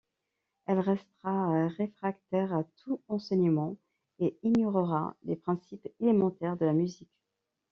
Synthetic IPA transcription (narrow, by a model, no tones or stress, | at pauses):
ɛlʁɛst̪əʁaʁefχakt̪ɛʁat̪ʰuɑ̃sɛɲəmɑ̃ | eiɲjɔʁəʁa̰lepχɛ̃sipelemɑ̃t̪ɛʁd̪əlamyzik